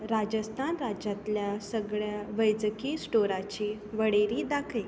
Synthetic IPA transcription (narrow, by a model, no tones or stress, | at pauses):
ɾad͡ʑəst̪ʰanɾad͡ʑat̪ljasəɡɭjaʋəjd͡zəkiːsʈoɾat͡ɕiː | ʋəɽeɾiːd̪akʰe